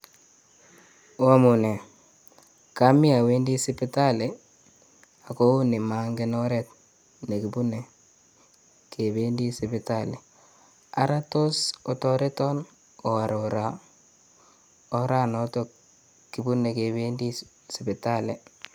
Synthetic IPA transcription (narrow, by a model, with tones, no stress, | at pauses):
wa˦mu˨ne˨ | ka˦mi˦a˨we˦ndi˦si˦pɪta˦le | a˨ko˦u˦nɪ˨ma˨ŋɡe˦nɔ˦ɾɛ˦t̚ | ne˨ki˨bu˦ne˨ | kʰe˨bendi˦si˨pɪ˦tale˨ | a˦ɾa˦to˦sɔ˦toɾe˦tɔ˦n | ɔ˨a˨ɾo˨ɾa˦ | ɔ˦ɾa˦no˦to | ki˨bu˦ne˨ke˨βendi˦ | si˨pɪ˨ta˦le˨